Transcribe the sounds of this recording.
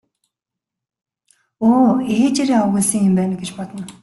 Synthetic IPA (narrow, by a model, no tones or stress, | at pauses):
oːeːt͡ɕeɾeːawɣuɮsə̆ŋjɪmpæːnɡet͡ɕpɔt̪ɞ̆n